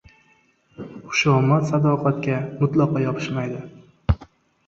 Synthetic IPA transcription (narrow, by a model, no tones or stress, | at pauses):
χʊ̥ʃɒmat̪sad̪ɒqʰɑt̪kʲamʊt̪lˠɒqɒjɒpʰɪ̥ʃmajd̪ɪ